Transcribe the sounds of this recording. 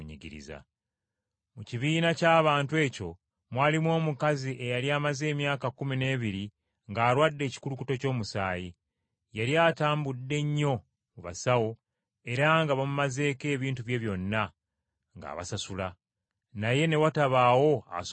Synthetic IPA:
ɲḭɟḭɾḭza̰ | muciβiːnacaːβaːntwe̞ːco̞ | mwaːlimwo̞ːmukaziʔe̞jaliaːmaze̞ːmjaːkakumine̞ːβiɾi | ŋɡaːɾwaːdːe̞ːci̥kulukuto̞co̞ːmusaːji | jaljaːtaːmbudːe̞ɲːo̞ | muβa̰sawo̞ | e̞ɾaŋɡaβamumaze̞ːke̞ːβiːntuβje̞βjo̞nːa | ŋɡa̰ːβa̰sasula | naje̞ne̞wataβaːwo̞a̰s

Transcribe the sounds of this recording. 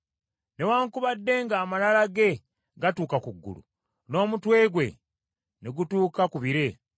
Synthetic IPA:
ne̞waːŋkuβadːe̞ŋɡaːmalalaɡe̞ | ɡatuːkakuɡːṵlṵ | no̞ːmutwe̞ːɡwe̞ | neɡutuːkakuβiɾe̞

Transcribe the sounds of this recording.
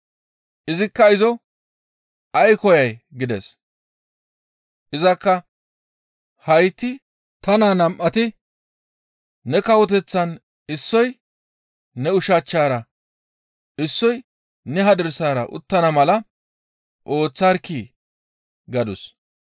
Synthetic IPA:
ʔɪzɪkːɐɪzɔ | ʔɐjkɔjɐjɡɪd̪ɛs | ʔɪzɐkːɐ | hɐjt̪ːɪ | t̪ɐnaːnɐmʔɐt̪ɪ | ɛkɐwɔt̪̬ɛt͡sːɐn | ɪsːɔj | nɛʊʃat͡ʃːaːɾɐ | ɪsːɔj | nɛɦɐd̪ɛɾsaːɾɐ̰ʔʊ̰t̪ːɐnɐmɐlɐ | ʔo̞ːt͡sːɐɾkiː | ɡɐd̪ʊs

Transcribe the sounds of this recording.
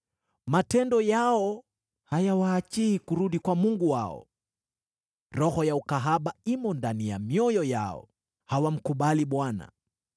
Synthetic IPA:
matɛndɔjaɔ | hajawaːt͡ʃiikuɾuɗikwamuŋɡuwaɔ̰ | ɾɔhɔjaukaɦaɓaimɔndanija̰mjɔjɔja̰ɔ̰ | hawam̩kuɓaliɓwana̰

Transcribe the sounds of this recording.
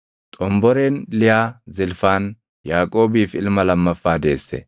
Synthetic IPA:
t̪ʼɔmbɔɾeːnlɪjaːzɪlfaːn | jaːkʼo̞ːbiːfɪlmɐlɐmːɐfːaːd̪e̞̰ːsːɛ̰

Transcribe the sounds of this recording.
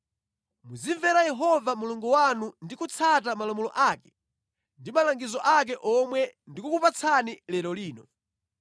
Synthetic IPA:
muziɱvɛɾajɛɦɔvamuluŋɡɔwanundikut͡sʰatamalɔmulɔ̰ʔaːkɛ̥ | ndimalaŋɡizɔʔak̬ɛʔɔmwɛndikukupat͡sʰanilɛɾɔliːnɔ

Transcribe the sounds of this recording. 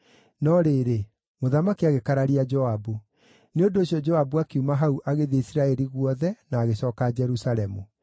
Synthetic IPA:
nɔɾeːɾe | moðamakiaɣekaɾaɾiad͡ʒɔabu | neondoːɕjɔd͡ʒɔabuakeumaɦauʔaɣeðeisiɾaɛɾiɣwɔðɛnaːɣeɕɔːkaːd͡ʒɛɾusaɾɛmu

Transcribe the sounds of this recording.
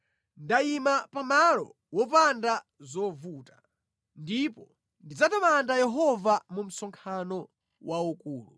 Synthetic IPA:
ndaimapamalɔ̰ | wɔpanda | zɔvuːtḁ | ndipɔ | ndid͡zatamandajɛɦɔvamum̩sɔŋkʰanɔ | wʔaukuːlṵ

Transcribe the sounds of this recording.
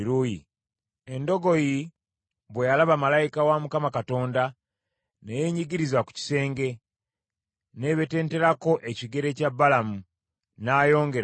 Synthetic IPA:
ɾuji | endo̞ɡo̞ji | βwejalaβamalajikawamukamakato̞ːnda | neje̞ːɲiɡiɾizwaku̥ci̥se̞ːŋɡe̞ | ne̞βe̞te̞ːnte̞ɾako̞ʔeciɡe̞ɾe̞caβːalamu | naːjo̞ːŋɡe̞ɾ

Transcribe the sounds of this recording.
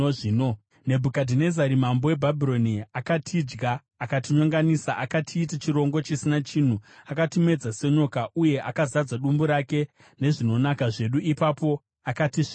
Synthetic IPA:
oiːno | ne̞bʱukadʱine̞zaɾimambo̞we̞bʱabʱiɾo̞niakatʰid͡ʒɡaː | katiɲoŋɡanisaʔakatʰiːtat͡ʃiɾo̞ŋɡo̞t͡ʃisinat͡ʃin̤uakatime̞d͡zase̞ɲo̞kaʔuje̞ʔakazad͡zaɗumbuɾake̞ | ne̞ʐino̞nakaʐe̞ɗuʔipapo̞ | akatiʐi

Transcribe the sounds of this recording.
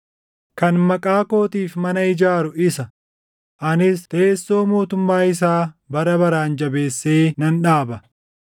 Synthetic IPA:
kɐnmɐkʼaːko̞ːt̪iːfmɐnɐɪd͡ʒaːɾʊɪsɐ | ʔɐnɪst̪e̞ːsːo̞ːmo̞ːt̪ʊmːaːɪs̬aːbɐɾɐbɐɾaːnd͡ʒɐbe̞ːsːeːnɐnᶑaːbɐ

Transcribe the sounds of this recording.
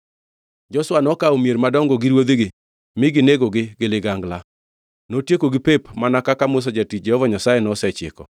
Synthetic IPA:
d͡ʒɔswanɔkaomjeɾmadɔŋɡoɡɪɾwod̪eɡɪ | mɪɡɪneɡoɡɪɡɪlɪɡaŋɡla | notjekoɡɪpepmanakakamos̬ɔd͡ʒatit͡ʃ̚d͡ʒɛhɔvɔɲasajɛnɔsɛt͡ʃɪ̰kɔ̰

